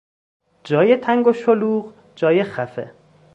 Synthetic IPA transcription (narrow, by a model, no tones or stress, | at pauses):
d͡ʒɒːjet̪ʰæŋɡoʃoluːɢ | d͡ʒɒːjexæfḛ